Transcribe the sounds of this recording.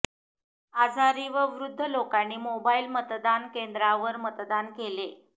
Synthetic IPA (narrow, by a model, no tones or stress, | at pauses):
ad͡zʱaɾiːʋəʋɾud̪ʱːəlokanːiːmobailmət̪d̪ankend̪ɾaʋəɾmət̪d̪ankele